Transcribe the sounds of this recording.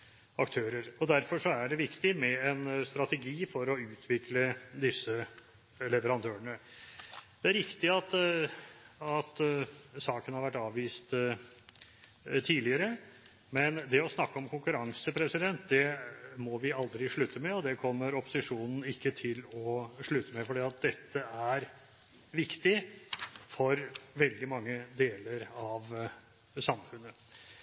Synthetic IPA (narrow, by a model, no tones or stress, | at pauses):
ɑkt̪ʰøːɾəɾɔd̪æɾfɔʂɔæɖɛʋɪkt̪ɪmɛɛnst̪ɾɑt̪ɛɡiːfɔɾɔʉːt̪ʰʋɪkləd̪ɪsːə | lɛʋəɾɑnd̪ʰøːəɳə | d̪ɛæɾɾɪkt̪ɪɑt̪ː | ɑt̪sɑːkənhɑɾʋæʈːɑːʋʋiːst̪ | t̪ʰiːlɪəɾə | mɛnd̪ɛɔsnɑkːəɔmkʰʊŋkʉɾɑŋsəpʰɾɛsɪd̪ɛnt̪d̪ɛmɔʋɪɑld̪ɾɪʂɭʉt̪əmɛɔd̪ɛkʰɔmːəɾɔpʊsɪʂuːnn̩ɪkːət̪ʰɪlɔʂɭʉt̪əmɛfɔɖiːɑt̪̚d̪ɛt̪ʰːəæɾ | ʋɪkt̪ɪ | fɔɾʋɛld̪ɪmɑŋːəd̪eːləɾɑʋ | sɑmfʉnːə